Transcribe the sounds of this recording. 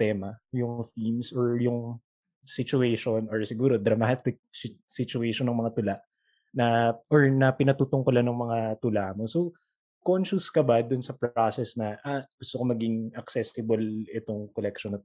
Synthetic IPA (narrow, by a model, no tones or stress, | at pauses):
t̪ɛːmɐjʊŋfilmsoɹjʊŋ | sɪt͡ʃʊɛjʃonʔoɹsɪɡuːɾo̞d̪ɾɐmat̪ɪk̚sɪt͡ʃʊɛjʃonːɐŋmɐŋat̪ʊlaʔ | nɐʔɔɹnɐpɪnɐt̪uːt̪ʊŋkʊlanɐŋmɐŋat̪ʊlaʔmoso | konʃʊskɐbad̪ʊnsɐpɾasɛsnɐʔaɡ̥ʊst̪okomɐɡɪŋɐksɛsɪbolɪt̪oŋkolɛkʃonɐt̪